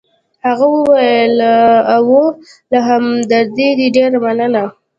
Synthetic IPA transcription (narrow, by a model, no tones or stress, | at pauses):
haɣawəwajəlawo | laɦamd̪aɾd̪id̪iɖeɾamanəna